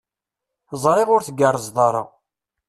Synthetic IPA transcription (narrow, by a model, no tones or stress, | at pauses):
θəzˤɾˤɪʁʊɾθəɡərˤːəzðˤɑɾˤə̰ʁ